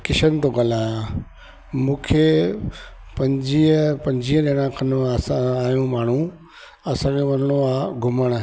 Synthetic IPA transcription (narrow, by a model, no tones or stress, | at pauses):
kɪʃənɪ̆t̪oɡɐlãː | mũːkʰe | pɐ̃ɲd͡ʑiːəpɐ̃ɲd͡ʑiːəɗeɽ̃ãkʰɐnoaːsãaːɦjũmaːɳ̤ũ | ɐsãːkʰẽʋɐnəɽ̃oaːɡʱʊməɽ̃